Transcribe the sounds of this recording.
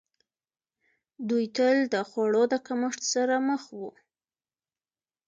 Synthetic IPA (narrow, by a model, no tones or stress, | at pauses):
d̪ujt̪əld̪əxaɽod̪əkaməʂt̪saɾaməxwu